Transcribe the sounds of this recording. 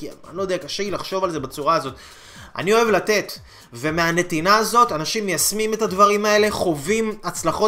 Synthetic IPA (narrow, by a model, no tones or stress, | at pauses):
kinlojdeakaʃeilaχʃo̞valze̞bat͡suʁaːzo̞t̪ | ʔa̰nio̞e̞vlate̞t̪ | ve̞meane̞tinaːzo̞tanaʃimjasmime̞tadvaʁimae̞le̞χo̞vimat͡slaχo̞